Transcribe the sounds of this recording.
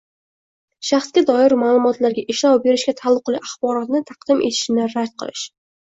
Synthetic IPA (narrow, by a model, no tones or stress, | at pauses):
ʃaχsɡʲad̪ɒɪɾmaːlˠʊmɒt̪laɾɡʲaʔɪʃlɒwbe̞ɾɪʃkʲat̪ʰalˠːʊqliʔaχbɒɾɒt̪nɪt̪ʰɑqd̪ɪmʔe̞̰t̪ʰɪ̥ʃɪnɪɾad̪qʰɨ̰lˠɪ̰ʃ